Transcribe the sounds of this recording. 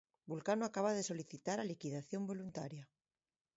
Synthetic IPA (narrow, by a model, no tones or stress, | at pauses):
bulkanoakaβaðeso̞liθit̪aɾalikiðaθjo̞mbo̞lunt̪aɾja